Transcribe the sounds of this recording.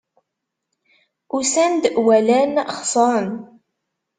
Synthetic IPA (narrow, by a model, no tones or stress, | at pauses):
usænd̪əʔwælænχsˤɑn